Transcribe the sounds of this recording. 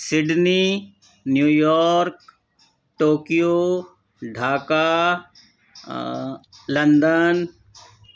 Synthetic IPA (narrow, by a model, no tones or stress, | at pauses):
sɪɖni | njuːjɔːɾk | ʈoːkijo | ɖʱaːka | lɐ̃nd̪ən